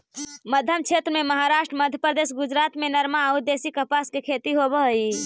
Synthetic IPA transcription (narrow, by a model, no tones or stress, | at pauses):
məd̪ʱjəmt͡ʃʰet̪ɾəmeməɦaɾaʃʈɾəməd̪ʱjəpɾəd̪esɡud͡ʒɾat̪menəɾmaud̪esikəpaskekʰet̪iɦobəɦi